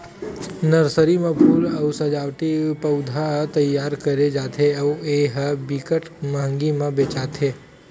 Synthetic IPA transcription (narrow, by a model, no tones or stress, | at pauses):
nəɾsəɾimãbʱuːləwsəd͡ʒaʋt̪ipəwd̪ʱat̪əjːaɾkəɾed͡ʒat̪ʰeəueɦəbikəʈmaŋɡimãbet͡ʃat̪ʰe